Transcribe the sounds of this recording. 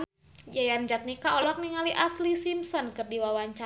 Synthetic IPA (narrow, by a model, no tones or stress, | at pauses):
jajand͡ʒat̪̚nikaɔlɔk̚niŋaliʔaslisimsɔnkərdiwawaɲt͡ʃa